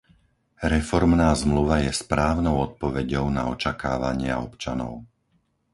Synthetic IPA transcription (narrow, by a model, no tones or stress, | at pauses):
ɾɛfɔɾmnaːzmluʋajɛspɾaːʊnɔʊɔt̪̚pɔʋɛɟɔʊna̰ɔt͡ʃaka̰ːʋaɲɪa̰ɔpt͡ʃanɔ̰ʊ